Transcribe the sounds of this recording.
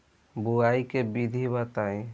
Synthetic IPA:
buaːikebid̪ʱibat̪aːĩ

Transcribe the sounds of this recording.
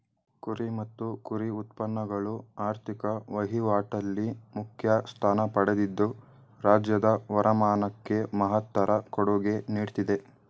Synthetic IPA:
kuɾimɐt̪ːukuɾiut̪̚pɐnːɐɡɐɭuaːɾt̪ʰikɐʋɐɦiʋaːʈɐlːimukʰjɐst̪ʰaːnɐpɐɽed̪id̪ːu | ɾaːd͡ʒjɐd̪ɐʋɐɾʔɐmaːnɐkːe̞mɐɦɐt̪ːɐɾɐkɔɽuɡe̞niːɽt̪id̪e̞

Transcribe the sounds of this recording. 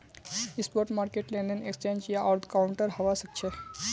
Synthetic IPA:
ispoɾʈmaːɾkeʈlẽɳɖənekst͡ʃẽɲd͡ʒjaʔaɾt̪ʰkawuɳʈəɾɦəʋasək̚t͡ʃʰe

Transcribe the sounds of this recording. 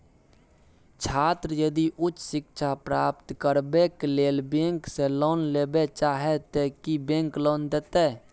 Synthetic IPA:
t͡ʃʰaːt̪ɾəjəd̪iʔʊt͡ʃːsɪkt͡ʃʰapɾaːp̚t̪kəɾbekleːlbẽŋkselɔːnlebet͡ʃaɦet̪ekibẽŋklɔːnd̪et̪e

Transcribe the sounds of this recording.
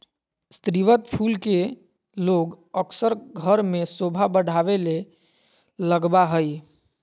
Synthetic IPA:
st̪ɾiʋət̪pʰulke | loɡ | əksəɾɡʱəɾmesobʱabəɽʱaβele | ləɡbaɦəj

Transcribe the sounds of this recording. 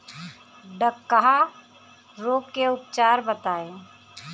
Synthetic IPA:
ɖəkːaɦa | ɾoːɡkeʊpt͡ʃaːɾbət̪aːeː

